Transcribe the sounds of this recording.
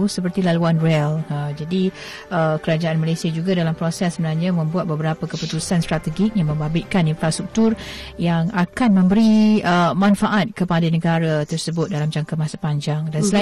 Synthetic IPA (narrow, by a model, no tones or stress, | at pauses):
səpərt̪ilaluanrɛləd͡ʒadi | əkəɾad͡ʒaʔanmalajsiad͡ʒuɡadalampɾosɛsːəmənarɲãmə̃mbuat̪̚bəbəɾapəkəput̪usanst̪ɾat̪əɡɪk̚jaŋmə̃mbabɪt̪̚kaninfɾast̪ɾuk̚t̪ʊr | jaŋakanmə̃mbəɾiəmãnfaʔat̪̚kəpadanəɡaɾat̪ərsəbʊt̪̚dalamd͡ʒaŋkamasḁpaɲd͡ʒaŋdansəla